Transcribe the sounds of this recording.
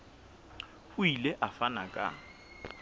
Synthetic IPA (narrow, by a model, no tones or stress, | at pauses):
hʊilɛʔafanakʼa̰